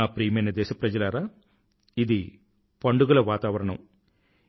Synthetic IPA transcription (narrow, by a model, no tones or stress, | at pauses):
aːpɾiːɐmɐjnɐd̪ɛːʃɐpɾɐd͡ʒɐlaːɾaː | id̪i | pɐɳɖuɡɐlɐʋaːt̪aːʋɐɾɐɳɐ̰m